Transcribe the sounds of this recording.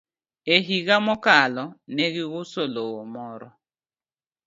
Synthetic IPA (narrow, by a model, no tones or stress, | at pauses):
eɦiɣamɔkalɔneɣɪɣʊsolomɔɾɔ